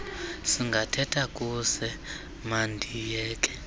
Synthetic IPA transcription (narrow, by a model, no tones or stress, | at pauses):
siŋɡʱatʰɛtʰakʼusɛ | mandʱijɛːkʼɛ̥